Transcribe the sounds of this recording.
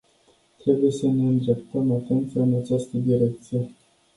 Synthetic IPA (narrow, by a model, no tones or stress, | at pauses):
t̪ɾe̞buje̞səne̞ɨnd̪ɾe̞p̚t̪əmat̪e̞nt̪sʲɨnat͡ʃast̪əd̪iɾe̞k̚t̪sije̞